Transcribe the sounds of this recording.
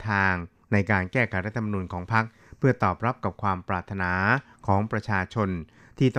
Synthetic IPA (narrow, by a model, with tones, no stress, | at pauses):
t̪ʰaː˧ŋ | na˧jkaː˧nkɛː˥˩kʰa˨˦˩j̚ɾa˦˥t̪ʰːa˧ma˧nuː˧nkʰɔː˩˦ŋpʰa˦˥k̚ | pʰɯ˥˩ɐt̪ɔː˨˩p̚ɾa˦˥p̚ka˨˩p̚kʰwaː˧mpɾaː˨˩t̪ʰːa˧naː˩˦ | kʰɔː˩˦ŋpɾa˧t͡ɕʰaː˧t͡ɕʰo˧n | t̪ʰiː˥˩t̪ɔ